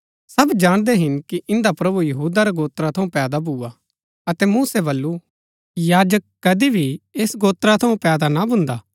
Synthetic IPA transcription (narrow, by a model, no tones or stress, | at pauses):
sɐbd͡ʒaːɽ̃d̪eɦɪnkiʔɪ̃nd̪apɾɐbujɐɦuːd̪aɾaɡoːt̪ɾat̪ʰɐũpɛːd̪abʱua | ɐt̪ɛmuːsɛbɐlːu | jaːd͡ʒəkːɐd̪ibʱieːsɡoːt̪ɾat̪ʰɐũpɛːd̪anabʊ̃nd̪aː